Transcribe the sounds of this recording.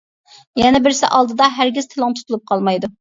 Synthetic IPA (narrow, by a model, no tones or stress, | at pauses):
jɛnɛbɪɾsɪ̰ʔɑlˠd̪ɨd̪ɑɦæɾɡʲɪzt̪ʰɨlˠɨŋt̪ʰu̥t̪ulˠup̚qʰɑlˠmɑjd̪u